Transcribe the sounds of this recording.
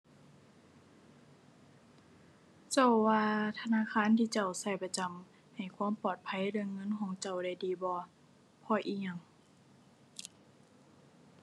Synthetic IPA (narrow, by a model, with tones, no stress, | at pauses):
t͡ɕa˧˩wwaː˧t̪ʰa˧naː˧˥˨kʰaː˧˥˨nt̪ʰiː˧t͡ɕa˧˩wsa˧˩jpa˧t͡ɕa˧˨˩m | ha˨˩jkʰu˧˥˨mpɔː˨˩t̪̚pʰa˧˥˨jɾɯ˧ə˨ŋːɤ˧˥˨nkʰɔː˧˥˦ŋt͡ɕa˧˩wda˧˩jdiː˨bɔː˧˦ | pʰɔː˧˩ʔiː˧˥ɲa˧˨ŋ